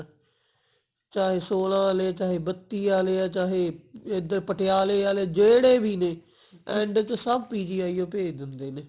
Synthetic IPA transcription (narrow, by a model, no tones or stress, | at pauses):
t͡ʃaːɦeːsoːlãːleːat͡ʃaːɦeːbət̪ːiːaːleːaːt͡ʃaːɦeːed̪əɾpəʈʰɪjaːleːaːleːd͡ʒeːɽeːbʱiːneː | ɛ̃ːɳɖt͡ʃsəbpiːd͡ʒiːaːiːõːpeːd̪ɪnd̪eːneː